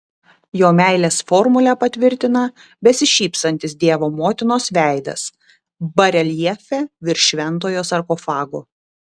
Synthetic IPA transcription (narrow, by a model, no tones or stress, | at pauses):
joːmʲæˑɪlʲeːsfɔɾmʊlʲɛpɐt̪ʲʋʲɪɾʲt̪ʲɪnɐ | bʲɛsʲɪʃʲiːpst̪ɐnʲt̪ʲɪsd̪ʲiɛʋoːmoːt̪ʲɪnoːsʋʲæˑɪd̪ɐ̰s | bɐɾʲɛlʲjɛfʲɛʋʲɪɾʲʃʲʋʲɛnˑt̪oːjoːsɐɾkɔfɑːɡoː